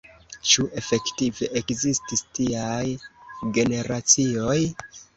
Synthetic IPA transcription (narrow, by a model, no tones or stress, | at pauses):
t͡ʃuʔe̞fe̞ktive̞ʔekzististiajɡe̞ne̞ɾat͡sio̞j